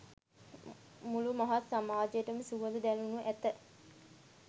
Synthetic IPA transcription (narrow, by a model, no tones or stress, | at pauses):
mulumaɦat̪samaːd͡ʒəjəʈəməsuʋəld̪ud̪ælunuʔæt̪ə